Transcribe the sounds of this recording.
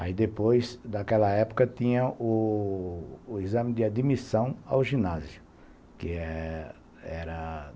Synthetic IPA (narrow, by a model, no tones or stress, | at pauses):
a̰id̪epojzd̪akɛlɐɛpʊ̥kɐt̪ĩɲɐʊ | izɐ̃mɪd̪ɪad̪imisɐ̃w̃a̰wʒĩnazjʊ | kɪɛ | ɛɾɐ